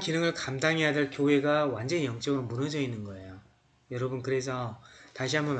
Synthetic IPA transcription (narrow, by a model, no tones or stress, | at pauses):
kinɯŋɯɭkamdaŋɦejadɯɭkjowe̞ɡawand͡ʑʌnijʌŋt͡ɕ͈ʌɡɯɾomunʌd͡ʑʌinːɯnɡʌe̞jo | jʌɾʌbunkɯɾe̞sʰʌtaɕʰiɦambʌn